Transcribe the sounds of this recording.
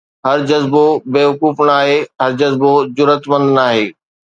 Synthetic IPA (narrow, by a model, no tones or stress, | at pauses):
ɦɐɾd͡ʑɐzbobeːʋɐkuːfnaːɦeːɦɐɾd͡ʑɐzbod͡ʑʊɾət̪mə̃nd̪naːɦeː